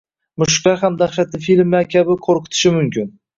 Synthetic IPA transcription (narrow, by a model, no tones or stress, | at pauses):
mʊʃqɑɦamd̪aχʃat̪ɪfilmakʲʰabɪqʰoɾqʰɨ̥t̪ʰɪ̥ʃɪmʊmkʲɪn